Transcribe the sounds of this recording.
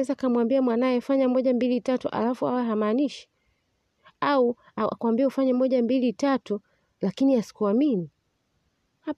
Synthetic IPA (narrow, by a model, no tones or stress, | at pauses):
ɛzakamwambiamwanajɛfaɲamɔʄambilitatuʔa̰lafua̰wɛɦamaːniʃi̥ | au | aa̰kuambiɛufaɲɛmɔʄambilitatu | lakiniasi̥kuamini | ha